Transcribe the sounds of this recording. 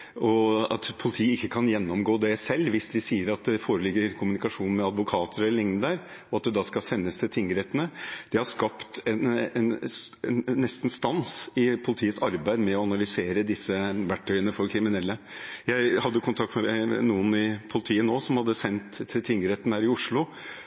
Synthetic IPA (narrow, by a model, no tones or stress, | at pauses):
ɔɑ̰t̪pʰʊlɪt̪ʰiːəɪkːəkʰɑnjɛnːɔmɡoːd̪ɛsɛlːʋɪsd̪ɪsiːəɾɑt̪̚d̪ɛfoːɾəlɪɡːəɾkʰʊmʉnɪkɑʂuːnn̩mɛɑd̪ʋʊkʰɑːt̪ʰəɾɛlːəlɪŋnəd̪əɾ | ɔɑt̪̚d̪ɛd̪ɑːskɑsɛnːəst̪ʰɪlt̪ʰɪŋːəɾɛt̪ːənəd̪̥ɪhɑʂkɑpt̪ɛnɛnɛnːɛst̪n̩st̪ɑnsɪpʰʊlɪt̪ʰiːət̪sɑɾbæɪd̪mɛɔɑnɑlʏseːɾəd̪ɪsːəʋæʈʰːœʏənəfɔɾkʰɾɪmɪnɛlːəjæɪhɑd̪ːəkʰʊnt̪ʰɑkt̪mɛnuːənɪpʰʊlɪt̪ʰiːənoːsɔmhɑd̪ːəsɛnt̪ʰːɪlt̪ʰɪŋɡəɾɛt̪ənəhæːɾɪʊʂɭʊ